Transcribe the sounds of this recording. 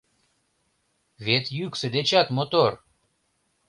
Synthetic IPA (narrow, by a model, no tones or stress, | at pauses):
vet̪jyksə̆d̪et͡ɕɑt̪mot̪or